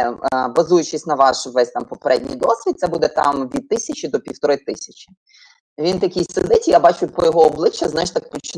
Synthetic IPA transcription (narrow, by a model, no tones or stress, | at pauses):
bɐzujʊt͡ʃɪsʲnɐʋɑʃʋɛsʲt̪ɑmpɔpeɾɛdʲnʲḭjd̪ɔsʲʋʲid̪̚t̪sɛbud̪ɛt̪ɑ̰mʋʲid̪̚t̪ɪsʲɐt͡ʃʲid̪ɔpʲiwt̪ɔɾɪt̪ɪsʲɐt͡ʃʲi̥ | ʋʲint̪ɐkʲijʲsed̪ɪtʲijabɑt͡ʃʊpɔjɔɦɔɔblˠɪt͡ʃːɐznajɪʃt̪ɑkpɔt͡ʃɪn